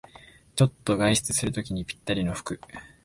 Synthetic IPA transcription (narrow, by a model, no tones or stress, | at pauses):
t͡ɕo̞t̪ːo̞ɡaiɕi̥t͡sɨsɨɾɯ̟t̪o̞kʲiɲ̟ipʲi̥t̪ːaɾʲino̞ɸɯ̟̥kɯ̟